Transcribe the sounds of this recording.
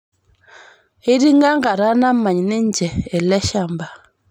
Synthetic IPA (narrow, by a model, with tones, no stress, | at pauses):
i˦ɾi˦ŋɡa˦ŋɡa˨ɾa˦na˦ma˨ɲ˨ne˦ɲ˦d͡ʒɛː˨lɛ˦ʃa˦˨mba˨